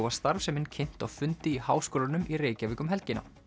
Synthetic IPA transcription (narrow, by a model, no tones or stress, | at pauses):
wvast̪aɾvsɛmɪncʰen̥t̪awfʏnt̪ɪihaːwskoːlanʏmireːjcavɪːkʏmɦɛlcɪna̰